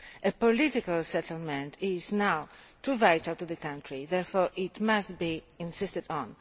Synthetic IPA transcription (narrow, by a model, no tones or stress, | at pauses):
ʔepɔlitikalsɛt̪lmɛ̃ntʰɪznaw | t̪uvajt̪alt̪uðəkãntʰɹiðɛɹfɔɹʔɪt̪mast̪̚bi | ĩnsɪst̪ədɔ̃n